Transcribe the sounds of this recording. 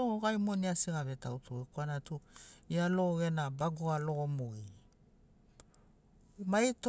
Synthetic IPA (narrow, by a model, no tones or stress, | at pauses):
ooɡajmoniasiɡaβetautʰoekuanatuialoɡenabaɡoalo̞ɡomoi | majt